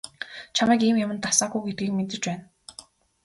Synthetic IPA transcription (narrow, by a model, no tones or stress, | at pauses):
t͡ɕʰamæːkiːmjamə̆nt̪asaːɡuːɡet̪̚ɡiːk̚ment̪ɘ̆t͡ɕpæːn